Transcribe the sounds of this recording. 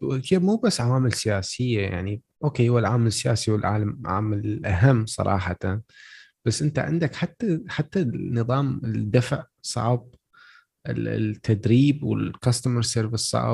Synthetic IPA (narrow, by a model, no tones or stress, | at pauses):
wɪkeːbmuːbasːʕawaːmɪlsɪjaːsɪjːaja̰ʕni | ʔoːkeːhʊwalʕaːmalɪsːɪjaːsiwɪlʕa̰ːlamʕa̰ːmalɪlʔaɦamːsˤɑ̰ɾˤʔɑ̰ːħɑt̪an | b̥asːʔɪnt̪aʕɪ̰nd̪akħat̪ːaħat̪ːanɨðˤɑːmɪld̪ːafʕ | sˤɑ̰ʕb̚ | ʔɪ̰t̪ʰːad̪ɾiːbwɪ̰lkɑst̪aməɾseːɾvɪssˤɑ̰ʕ